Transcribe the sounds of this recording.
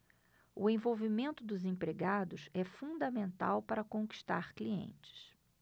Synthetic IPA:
ʊẽj̃vowvimẽnt̪ʊd̪ʊzẽpɾeɡad̪ʊsɛfũd̪ɐmẽnt̪a̰wpaɾɐkõŋki̥ʃt̪a̰ɾkliḛ̃nt͡ʃɪ̥s

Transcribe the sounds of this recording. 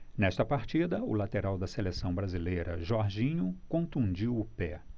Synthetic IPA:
nɛʃt̪ɐpaɾt͡ʃid̪ɐʊ̰lat̪eɾawd̪ɐselesɐ̃w̃bɾazilejɾɐ̰ʒoaɾʒĩɲʊkõnt̪ũd͡ʒiwʊpɛ

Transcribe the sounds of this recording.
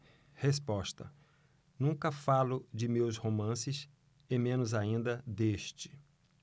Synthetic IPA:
hespɔst̪ɐ̰ | nũkɐfalʊd͡ʒɪmewshomɐ̃sɪs | ɪmẽnʊzaĩnd̪ɐd̪eʃt͡ʃɪ̥

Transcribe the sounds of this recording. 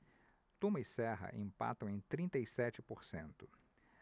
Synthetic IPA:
t̪ũmɐisɛɦɐ̰ʔĩmpa̰t̪ɐ̃w̃ẽj̃t̪ɾĩnt̪ɐjsɛt͡ʃɪpoɾsẽnt̪ʊ̥

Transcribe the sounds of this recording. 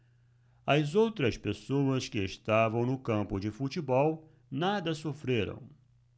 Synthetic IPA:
ɐzowt̪ɾɐspesowɐskɪːst̪avɐ̃w̃nʊkɐ̃mpʊd͡ʒɪfut͡ʃibɔw | nad̪ɐsofɾeɾɐ̰̃w̃

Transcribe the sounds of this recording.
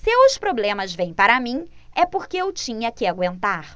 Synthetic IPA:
seʊspɾoblẽmɐzvẽj̃paɾɐmĩɛpoɾkeewt͡ʃĩɲɐkɪaɡwẽnt̪aɾ

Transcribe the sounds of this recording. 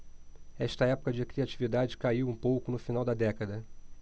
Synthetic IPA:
ɛʃt̪ɐɛpʊ̥kɐd͡ʒɪkɾiat͡ʃivid̪ad͡ʒɪkaiwũpowkʊnʊfinawd̪ɐd̪ɛkɐd̪ɐ

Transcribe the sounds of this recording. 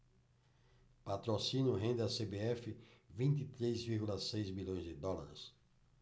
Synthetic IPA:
pat̪ɾosĩnjʊɦẽnd̪ɪasebeɛfɪvĩnt̪it̪ɾezviɾɡulɐsejzmilõj̃zd̪ɪd̪ɔla̰ɾɪs

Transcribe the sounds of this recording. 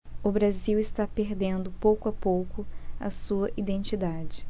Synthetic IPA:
ʊbɾaziwɪst̪apeɾd̪ẽnd̪ʊpowkʊɐpowkʊɐ̰suɐʔid̪ẽnt͡ʃid̪ad͡ʒɪ

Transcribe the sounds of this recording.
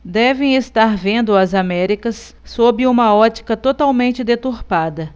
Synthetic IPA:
d̪ɛvẽj̃est̪aɾvẽnd̪ʊɐzamɛɾikɐsː | obɪũmɐɔt͡ʃi̥kɐt̪ot̪awmẽnt͡ʃɪd̪et̪uɾpad̪ɐ

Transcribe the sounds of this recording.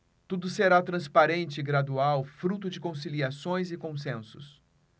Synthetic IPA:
t̪ud̪ʊseɾat̪ɾɐ̃spaɾẽnt͡ʃɪɪɡɾad̪uawfɾut̪ʊd͡ʒɪkõsiliasõj̃zɪkõsẽsʊs

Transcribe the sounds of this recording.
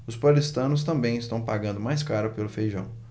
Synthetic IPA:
ʊspalist̪ɐ̃nʊs̬t̪ɐ̃mbẽj̃ɪst̪ɐ̃w̃paɡɐ̃nd̪ʊmajskaɾʊpelʊfejʒɐ̃w̃

